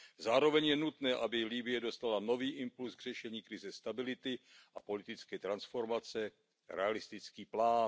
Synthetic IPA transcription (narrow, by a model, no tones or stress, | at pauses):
zaːɾo̞vɛɲjɛnut̪nɛːʔabɪlibɪjɛdo̞st̪alano̞viːʔɪmpulsɡr̝̥ɛʃɛɲiːkɾɪzɛst̪abɪlɪt̪ɪʔapo̞lɪt̪ɪt͡skɛːt̪ɾansfo̞ɾmat͡sɛ | ɾɛ̰alɪst̪ɪt͡skiːplaːn